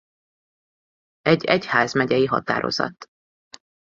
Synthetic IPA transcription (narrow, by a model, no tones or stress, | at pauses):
ɛɟːɛchaːzmɛɟɛjiɦɒt̪aːɾʔo̞̰zɒ̰t̪ː